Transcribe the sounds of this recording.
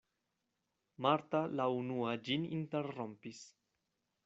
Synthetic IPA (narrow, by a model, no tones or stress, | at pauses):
maɾtalaunuad͡ʒininteɾːo̞mpis